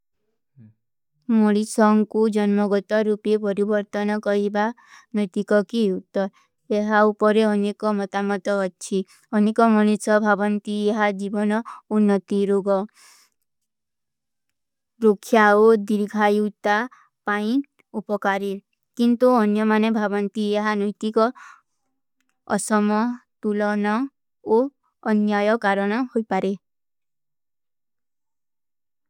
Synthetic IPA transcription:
moɭisɔŋkud͡ʒɔnmɔɡɔt̪ɔɾupiepɔɾibɔɾt̪ɔnɔkɔɾiba | nɔjt̪ikɔkiut̪ːɔɾ | eɦaupɔɾeɔnekɔmɔt̪amɔt̪ɔːt͡ʃʰi | ɔnekɔmɔnisɔbʱabɔnt̪ieɦad͡ʒibɔnɔunːɔt̪iɾoɡɔ | ɾokʰːjaod̪iɾɡʱajut̪a | paĩ | upɔkaɾiɾ | kint̪uɔnjɔmanebʱabɔnt̪ieɦanɔjt̪ikɔ | sɔmɔt̪ulɔnɔ | oː | njajɔkaɾɔɽ̃ɔhojpaɾe

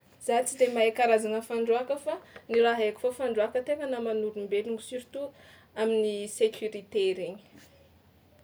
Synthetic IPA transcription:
z̥at͡sidemaekaɾazanəfaɳɖ͡ʐuakəfanilaɦeki̥fofaɳɖ͡ʐuakət̪eŋanamanuɾumbeluŋisuɾit̪u | aminisekʰuɾit̪eɾeɲi̥

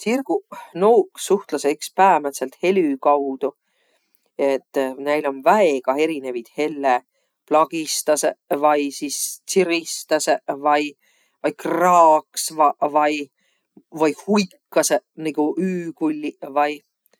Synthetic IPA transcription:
sirɡ̥unowksuht̪lɑsekspæːmɑt̪selt̪he̞lʲykɑwd̪̥u | et̪ˑːnæjlo̞nvæeɡ̥ɑe̞ɾine̞vid̪̥he̞lːe | plɑɡ̥ist̪ɑsevɑjsist̪siɾist̪ɑsevɑj | vɑjkrɑːksvɑvɑj | vɑjhujkːɑseniɡ̥uʔyːkulʲːivɑj

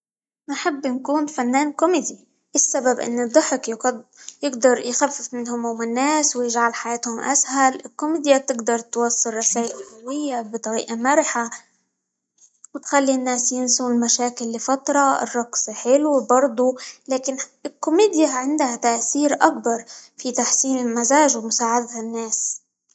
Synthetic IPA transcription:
nɪħɪbːɪnkuːnfanːaːnkʊmiːd̪i | ʔɪsːababʔɪ̰nːɨd̪ˤːʊħɪkjjɪɡd̪ɑɾˤjxafːɪfmɪnhʊmhʊmɪnːaːswjɪʒʕalħajaːt̪hʊmʔa̰shalɪlkʊmiːd̪jat̪ɪɡd̪ɑɾˤt̪wɑsˤːɨɾˤːɑsaːʔɪlɪʕawɪjːabɪt̪ˤɑɾḭːʔamaɾɪħa | wɪt̪xalːinːaːsjɪnsulmaʃaːkɪlːɪfat̪ɾˤɑɪ̰rˤːɑɡsħɪlwbɑɾˤd̪ˤulaːkɪnɪlkʊmiːd̪jaʕɪnd̪hat̪aʔθiːɾʔak̚bɑɾˤfit̪aħsiːnɪlmazaːʒwmʊsaːʕad̪aɪnːeːs

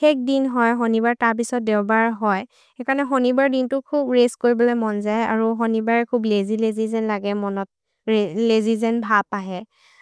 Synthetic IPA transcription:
xɛk̚dinɦɔjxonibaɹtaɹp̬isɔt̚deʊbaɹɦɔj | ekaɹnɛxonibaɹdintʊkʰubɹeskoɹibɔlɔjmɔnzajaɹuxonibaɹɛkʰublezilezizɛnlaɡɛmɔnɔt̚ | ɹelezizɛnbʱapaɦɛ

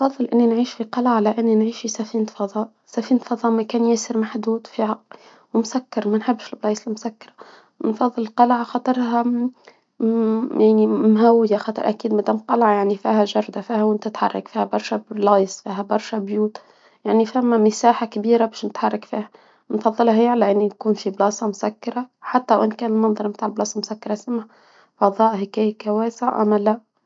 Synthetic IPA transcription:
nfɑðˤːɨlʔɪnːinʕiːʃfiqɑlʕalaʔɪnːinʕiːʃfisafiːnt̪fɑðˤɑːʔ | safiːnt̪fɑðˤɑːʔmakaːnjaːsɪɾmaħd̪uːd̪fiːha | wɪmsakːɑɾˤmanħɪbːɪʃɪlblɑːjsɪlmʊsakːɑɾˤɑ | nfɑðˤːɨlqɑlʕɑxɑt̪ˤɨɾˤɦɑ | jaʕnimɦawːɪjaxɑːt̪ˤɑ̰ɾˤʔakiːd̪mad̪æmqɑlʕɑjaʕnifiːhæʒɑɾˤd̪afiːhawɪnt̪ɪt̪ħɑ̰rˤːɑ̰kfiːhæbɑɾˤʃɑlɑjsˤfiːɦabɑɾˤʃɑbjuːt̪ | jaʕnifamːamɪsaːħakabiːɾabæːʃnɪt̪ħɑrˤːɑkfiːha | nfɑðˤːɨlhaheːalaʔɪnːinkuːnfiblɑːsˤɑmʊsakːɑɾˤɑħat̪ːalawʔɪnkæːnɪlmɑnðˤɑɾˤmt̪aːʕɪlblɑːsˤɑmʊsakːɑɾˤɑsamːa | fɑðˤɑːʔhɪkæːjkawæːsaʔa̰mːalaʔ

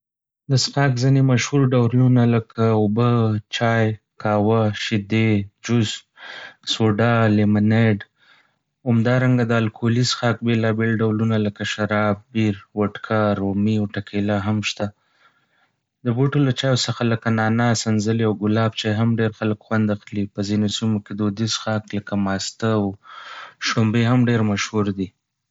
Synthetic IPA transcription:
d̪əsxɑkzinemaʃhuɾɖawlunaləkaobət͡ʃɑj | kɑwaʃɪd̪ed͡ʒʊzmsoɖalɪmɪneɖ | hamd̪ɑɾaŋɡad̪əalkʰolisxɑk̚belɑbelɖawlunaləkaʃaɾɑb̚ːiɾwaʈkʰaɾomiawʈakʰelaɦamʃt̪a | d̪əboʈolat͡ʃɑjosəxaləkanɑnasanzəliawɡʊlɑbt͡ʃaɦamɖeɾxaləkxwand̪axlipəzinosimoked̪od̪isxɑkləkamɑst̪əw | ʃʈombeɦamɖeɾmaʃhuɾd̪i

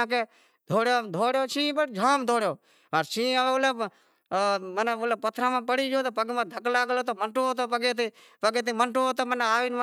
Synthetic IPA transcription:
ãːkeː | d̪ʱoːɽjoːd̪ʱoːɽjoːt͡ʃʰĩːbəʈd͡ʒʱaːmd̪ʱoːɽjoː | məɾt͡ʃʰĩːəleb | məneʊlpət̪ʰɾãːmãːpəɽiːd͡ʒoːt̪opəɡmãːd̪ʱəklaːɡloːt̪oməɳʈoːt̪opəɡeːt̪iː | pəɡeːt̪iːməɳʈoːt̪omənaːʋiːnm

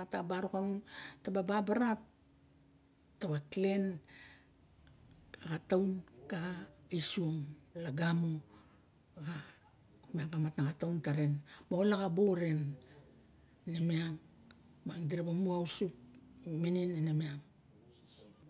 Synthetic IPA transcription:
atabaɾokanuntabababaɾat | aβakle̞n | akatawnkaɡaisuomlaɡamo | ɡa | kmiaŋkamatnakatawntaɾe̞nbaolaɡaboɾe̞n | nemiaŋ | baŋdiɾabamuausupmininenemiaŋ

